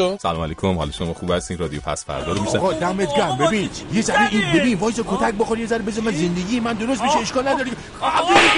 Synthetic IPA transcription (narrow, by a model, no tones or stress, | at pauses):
osælɒːmæliːkʰomhɒ̰lɔʃomɒːχuːbhæst̪inɾɒːd̪ijopʰæ̰sfæ̰ɾd̪ɒːɾomiʃæɣɒːd̪æmet̪ɡæmbebĩːnjezæɾeʔinbebiːnvɒːjsɒkʰot̪ʰæc̚boxoɾijezæɾbe̞zɒɾmænze̞nd̪eɡʲiːjemænd̪oɾos̬t̪beʃeeʃkɒːlnæd̪ɒːɾie | xæi